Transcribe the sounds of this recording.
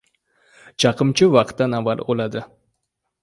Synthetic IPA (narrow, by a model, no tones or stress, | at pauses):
t͡ʃʰɑqɨmt͡ʃʰɪvɑqʰt̪ːanavalˠolad̪ɪ